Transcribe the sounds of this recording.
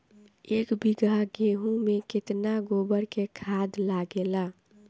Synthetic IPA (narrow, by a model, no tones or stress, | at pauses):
eːkbiɡaɡeɦũmẽkɪt̪naɡoːbəɾkekʰaːd̪laɡela